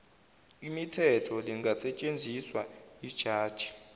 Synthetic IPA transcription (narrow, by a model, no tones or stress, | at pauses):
imitʰɛtʰɔliŋɡʱasɛt͡ʃʼend͡zʱiswaid̥ʒ̥ʱaːd̥ʒ̥ʱi̥